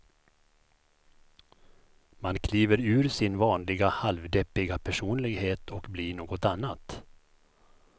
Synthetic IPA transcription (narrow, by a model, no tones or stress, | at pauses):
mankʰliːvəɾʉ̟ːɾsɪnvɑːnlɪɡahalvd̪ɛpːɪɡapʰæʂuːnlɪɡheːt̪ʰɔkbliːɳoːɡɔt̪anːat̪